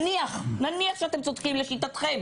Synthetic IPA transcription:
niaχnaniaχʃeat̪e̞mt͡sod̪kimleʃit̪at̪χem

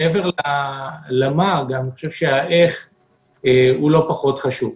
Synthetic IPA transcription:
eveʁlalamaɡaaniχoʃevʃeaʔe̞χ | eulo̞paχo̞t̪χaʃuv

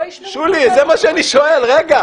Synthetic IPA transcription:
ʃulizemaʃeaniʃoelʁeɡa

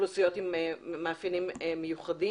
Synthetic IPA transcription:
lusijotimemaːfinimemːejuχadi

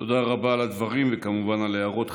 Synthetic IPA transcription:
to̞d̪aʁabaːlad̪vaʁimvekamuvanaleaʁot̪

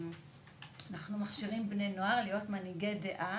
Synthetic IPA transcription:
anaχnumaχʃiʁimbne̞jno̞aʁlijo̞tmaniɡejdeʔa

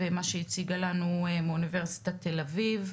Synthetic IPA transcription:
emaʃeit͡siɡalanuemunive̞ʁsi̥tat̪elaviv

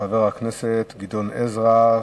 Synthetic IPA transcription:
aveʁhakneset̪ɡid̪onezʁa

